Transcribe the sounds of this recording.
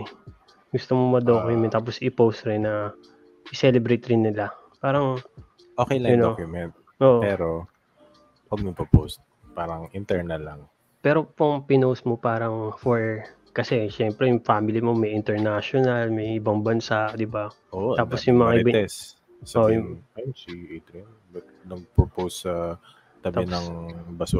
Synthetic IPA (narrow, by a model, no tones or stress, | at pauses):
ɡʊst̪omomɐd̪oːkjʊmɛnt̪ːaːp̬osʔɪpowst̪ɾɪnːɐ | ʔɪsɛlɛbɾɛjt̪ɾɪnːɪla | paːɾɐŋ | ʔokɛjlɐjɐnkjʊmɛnt̪̚ | ʔoːʔopɛːɾo | wɐɡ̚mɐpopo̰st̪̚ | paːɾɐŋɪnt̪ɛɹnɐlːɐŋ | pɛːɾo̞poŋpɪnowsmopaːɾɐŋfoɹ | kɐsɛʃɛmpɾɛjʊŋfaːmɪlɪmo̞mɐjɪnt̪ɛɹnaʃonɐlmɐjʔɪbɐŋbɐnsaʔd̪ɪbaʔoʔ̪aːposjʊŋmɐŋaʔɪb̪ɛs | soʔjʊansiʔejt̪ɾɛn | bɐt̪nɐɡ̚popowsɐ | t̪ɐb̪ɛnɐŋbɐsu